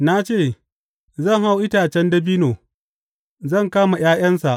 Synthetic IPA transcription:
na˦t͡ʃeː˦˨ | zɐ˦˨ŋha˦wʔɪ˦taː˨t͡ʃɛ˦ndɐ˦biː˦noː˨ | zɐ˦˨ŋkaː˦ma˨j̰aː˦j̰ɐ˦nsa˨ʔ

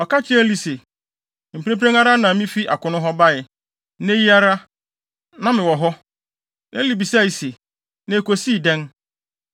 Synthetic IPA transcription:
ɔ˨ka˦t͡ɕʰɪ˦ɛ̃˦li˨se˨ | m̩˨pe˦pɾẽ˦ŋa˦ɾa˦nã˨mĩ˦fi˦ʔa̰˨kʊ̃˨nʊ̃˦ɦɔ˦ba˦jɪ˨ | nẽ˦ji˦a˦ɾa˦ | nã˦mɪ̃˨wɔ˨ɦɔ˦ | nã˦li˨bi˨sa˦˨i˨se˨ | nã˨e˨ko˨si˦˨dɛ̃˦n

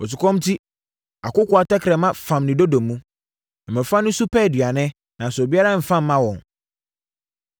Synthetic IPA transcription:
ɔ˨s̬ʊ˨kʰɔ̃˦m˦tʰi˦ | a̰˨kʊ˦kʊ˨a˨tɛ˦kʰɾɛ˨mã˦fã˨mnĩ˨do˦dõ˨mːũ˦ | ɛ˨mɛ̃˨fã˦nʊ̃˦su˦pʰɛ˦˨dɥa˨nɛ̃˦ | nã˨sʊ˨bi˦a˦ɾa˦m̩˨fã˦m̩ː˦ã˦wɔ̃˨n

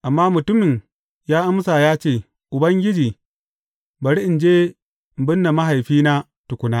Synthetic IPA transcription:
ʔa˨mːaː˦mʊ˨tʊ˦mɪ˨ŋ | jaː˦ʔa˦msa˨jaː˦t͡ʃeː˦˨ | ʔʊ˨bɐ˦ŋɡʲɪ˦d͡ʒiː˨ | bɐ˨ɽi˦ʔɪ˨nd͡ʒeː˦˨ | m˨bɪ˦nːa˨ma˦ɦa˨jɸiː˦naː˦ | tʊ˨kʷʊ˦naː˦

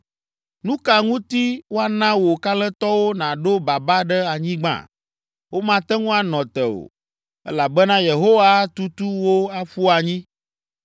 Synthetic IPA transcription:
nũ˦ka˨ŋũ˦t̪i˦wo˦a˦nã˦wo˨ka˦lɛ̃˦t̪ɔ˦wo˦nã˨ɖo˦ba˨ba˦ɖɛ˦a˨ɲĩ˦ɡ͡bã̰˦˨ | wʔo˦mã˨t̪ɛ˦ŋũ˦a˨nɔ̃˨t̪ɛ˨o̰˨ | ɛ̰˦la˨bɛ˦nã˦je˨ɦo˦wa˦t̪u˦t̪u˦wo˦a˦ɸu˦a˨ɲĩ˦

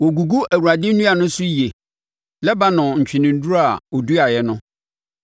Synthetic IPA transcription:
wɔ˨ɡu˨ɡu˦ʔæ˨wu˨ɾa˨dɪ̃˦n̩˦nũ˦a˨nʊ̃˦sʊ˦i˨e˨ | lɛ˦ba˦nʊ̃˨ɲ̩˨t͡ɕᶣɪ˨nɪ̃˨n̩˦du˦ɾa˨ɔ˨du˦a˨jɛ˨nʊ̃˦

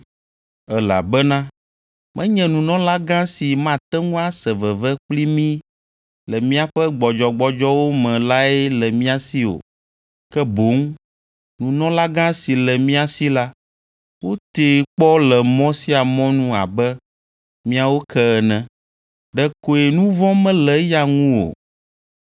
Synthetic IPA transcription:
ɛ˨la̰˨bɛ˦nã˦ | mɛ̃˦ɲɛ̃˨nũ˨nɔ̃˦la˦ɡã˦si˨mã˦t̪ɛ˦ŋũ˦a˦sɛ˨vɛ˨vɛ˦k͡pli˦mĩ˦ | lɛ˨mĩ˦a˦ɸɛ˦ɡ͡bɔ˨d͡ʒɔ˨ɡ͡bɔ˨d͡ʒɔ˦wo˦mɛ̃˨la˦ɛ˦lɛ˨mĩ˦a˨si˦o̰˨ | kɛ˦bo˨˦ŋ | nũ˨nɔ̃˦la˦ɡã˦si˨lɛ˨mĩ˦a˨si˦la˦ | wo˦t̪e˨k͡pɔ˦lɛ˨mɔ̃˦si˦a˨mɔ̃˦nũ˦a̰˨bɛ˦ | mĩ˦a˨wo˦kʰɛ˦ɛ˨nɛ̃˨ | ɖɛ˨ko˨e˨nũ˦vɔ̃˦mɛ̃˦lɛ˨ja˨ŋũ˦wo̰˨

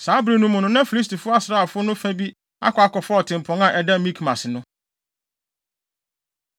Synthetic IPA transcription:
saː˨˦bɾe˨nũ˦mʊ̃˨nʊ̃˦nã˦fi˨li˦s̬tʰi˨fʊ˦a˦sɾa˦˨fʊ˦nʊ̃˦fæ˦bi˦ | a̰˦kʰʷɔ˨a˦kɔ˨fʊ˦ɔ˨tʰɪ̃˨m˨pʰɔ̃˨ŋã˨ʔɛ˨da˦˨mĩ˦kʰmã˨sɪ˨nʊ̃˦

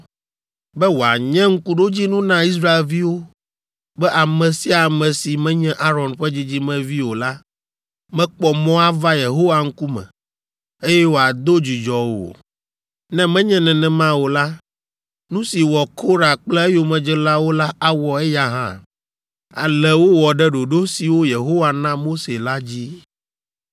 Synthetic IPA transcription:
bɛ˦wo˨a̰˨ɲɛ̃˦ŋ̩˦ku˦ɖo˦d͡ʑi˦nũ˦nã˦i˦s̬ɾa˦e˨lvi˦wo˦ | bɛ˦ʔa˨mɛ̃˨si˦a˨mɛ̃˨si˨mɛ̃˦ɲɛ̃˦ʔa˦ɾɔ˨nɸɛ˦d͡ʑi˦d͡ʑi˦mɛ̃˨vi˦wo˨la˦ | mɛ̃˦k͡pɔ˨mɔ̃˦a˦va˦je˨ɦo˦wa˨ŋ̩˦ku˦mɛ̰̃˨ | e˦jɛ˦wo˨a˨d̪o˦d͡ʑi˨d͡ʒɔ˨wo̰˨ | nɛ̃˦mɛ̃˦ɲɛ̃˦nɛ̃˨nɛ̃˨mã˦wo˨la˦ | nũ˦si˨wɔ˨kʰo˦ɾa˨k͡plɛ˦e˦jo˦mɛ̃˨d͡ʒɛ˦la˦wo˦la˦a˦wɔ˨ɛ˦ja˦ɦã̰˦ | a̰˨lɛ˨wo˦wɔ˨ɖɛ˦ɖo˨ɖo˦si˨wo˦je˨ɦo˦wa˨nã˦mo˦se˨la˦d͡ʑi˦

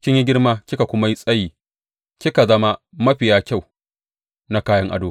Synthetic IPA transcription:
kʲɪ˦ɲji˦ɡʲɪ˦rmaː˦kʲɪ˦ka˨kʷʊ˦ma˦ji˦sʼɐ˦jiː˨ | kʲɪ˦ka˨zɐ˦ma˦ | mɐ˦ɸɪ˨jaː˦kʲa˦˨w | na˦kaː˦jɐ˦ŋʔa̰˨doː˦

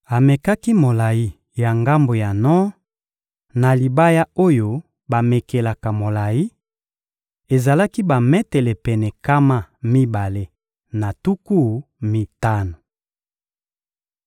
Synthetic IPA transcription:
a˨me˨ka˦ki˦mo˨la˨ji˦ | ja˨ŋɡa˦mbo˨ja˨nɔ˦ | na˨li˨ba˦ja˦o˦jo˦ | ba˨me˨ke˨la˨ka˨mo˨la˨ji˦ | e˨za˨la˦ki˦ba˨mɛ˦tɛ˨lɛ˨pɛ˨nɛ˨ka˦ma˦˨mi˦ba˨le˦ | na˨tu˦ku˦˨ | mi˨ta˦no˨

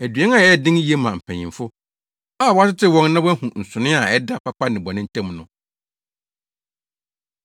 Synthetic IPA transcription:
æ˨dɥɛ̃˦ŋa˨ɛ˦dɪ̃˦ŋ˦ji˦e˦mã˨m̩˨pʰæ̃˨ɲḭ̃˨mfʊ˦ | a˦˨wɔ˦a˦tɪ˦tʰɪ˦wɔ̃˨ŋnã˦wɛ˦hũ˨n̩˨sʊ˨nɪ̃˦a˨ɛ˦da˦pʰa˦pʰa˦nɪ̃˨bɔ˨nɪ̃˦n̩˦tʰɛ̃˦mnʊ̃˦

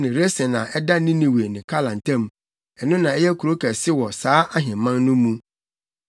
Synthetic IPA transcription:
nɪ̃˨ɾe˦sɛ̃˨nã˨ʔɛ˦da˦nĩ˦nĩ˨we˨nɪ̃˨kʰa˦lã˨n̩˨tʰã˦m˨ | ɛ˨nʊ̃˦nã˨ɛ˦jɛ˦kʰu˨ɾo˦kʰæ˨sɪ˦wɔ˨saː˨˦a˦ɦɪ̃˨mːã˦n˦nʊ̃˦mũ˦

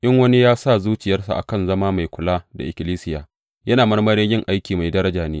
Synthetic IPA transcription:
ʔɪ˦ŋwɐ˦ni˦jaː˦sa˦˨zuː˦t͡ʃɪ˨jɐ˦rsa̰˨ʔa̰˨kɐ˦˨nzɐ˦maː˦ma˨jkʷʊ˨laː˦da̰˨ʔɪ˨kʲɪ˨liː˦sɪ˦jaː˨ | jɐ˦naː˨mɐ˦rmɐ˦ɾiː˦jɪ˦˨ŋʔa˦jkʲiː˨ma˨jdɐ˦ɾɐ˦d͡ʒaː˨neː˦

